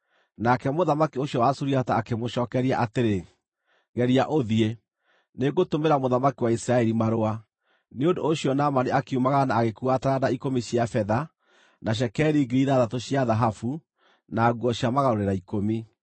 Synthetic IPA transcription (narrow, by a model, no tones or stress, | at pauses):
nakɛmoðamakioɕjɔwasuɾiataːkemoʃɔːkɛɾia̰ʔateɾe | ɣɛɾiaʔoðie | neɡotomeɾamoðamakiwaisɾaɛɾimaɾoa | neondoːɕiɔnamaneakeumaɣanaːɣekuataɾadaikomiɕiafɛða | naɕ̬ɛkɛɾiɡeɾiðaðatoɕiaðaɦafu | naːɣwɔɕjamaɣaɾoɾeɾaikomi